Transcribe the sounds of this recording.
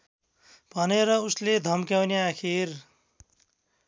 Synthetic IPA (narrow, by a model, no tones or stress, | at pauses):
bʱʌneɾʌusled̪ʱʌmkjawneakʰiɾ